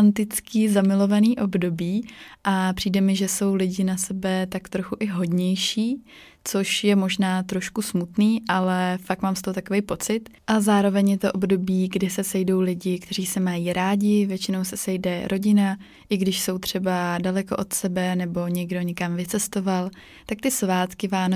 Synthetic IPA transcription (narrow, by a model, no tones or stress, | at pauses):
nt̪ɪt͡skiːzamɪlo̞vaniːʔo̞bdo̞biːʔapr̝̥iːdɛmɪʒɛso̞wlɪɟɪnasɛbɛt̪akt̪ɾo̞xuʔɪɦo̞dɲɛjʃiː | t͡so̞ʃjɛmo̞ʒnaːt̪ɾo̞ʃkusmut̪niːʔalɛfaktmaːmst̪oɦot̪akovɛjpo̞t͡sɪt̪ʔazaːɾo̞vɛɲjɛt̪oʔobdo̞biːɡdɪsɛsɛjdo̞wlɪɟɪkt̪ɛr̝iːsɛmajiːɾʔaːɟɪvjɛt͡ʃɪno̞wsɛsɛjdɛɾʔo̞ɟɪna | ʔɪɡdɪʃso̞wt̪r̝̥ɛbadalɛko̞ʔo̞t̪sɛbɛnɛbo̞ɲɛɡdo̞ɲɛkamvɪt͡sɛst̪o̞val | t̪ak̚t̪ɪsvaːt̪kɪvaːn